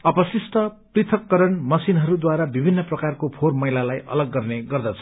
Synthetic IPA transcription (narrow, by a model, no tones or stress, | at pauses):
ʌpʌsisʈʌprit̪ʰʌkːʌɾʌnmʌsinɦʌɾud̪waɾabibʱinːʌprʌkarkopʰormʌjlalajʔʌ̰lʌɡːʌrneɡʌrd̪ʌt͡sʰʌ̥